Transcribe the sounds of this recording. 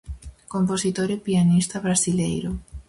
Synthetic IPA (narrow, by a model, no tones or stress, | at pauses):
komposit̪oɾepianist̪aβɾasilejɾo